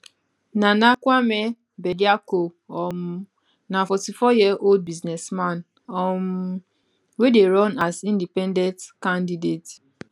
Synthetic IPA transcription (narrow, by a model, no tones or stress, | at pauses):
nanakʷamɛ | bɛdiakoɔm | nafɔtifɔjiʔold̚biznɛsmãn | ɔm | wedeɹɔ̃nazĩndipɛndɛ̃ntkãndidet